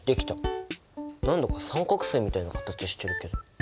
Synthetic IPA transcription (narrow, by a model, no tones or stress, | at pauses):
d̪̥e̞kʲi̥t̪a | nãnd̪okasãŋkokɯ̟̥se̞ːmʲit̪ainakḁt̪at͡ɕiɕi̥t̪ːe̞ɾɯ̟ke̞d̪o̞